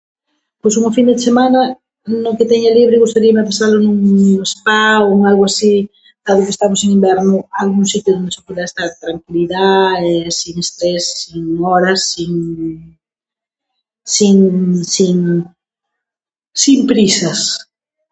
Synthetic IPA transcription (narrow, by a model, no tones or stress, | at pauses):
pojsuŋofind̪esemanɐ | noket̪ɛɲaliβɾeɣust̪aɾiameapasalonuŋespaoŋalɣʊasi | d̪̥aðʊkest̪amoseŋimbɛɾnʊalɣuŋsit̪jʊðond̪esokwelaɛst̪at̪ɾaŋkiliðaesiŋest̪ɾesːiŋɔɾɐsːiŋ | siŋsiŋ | simpɾisɐs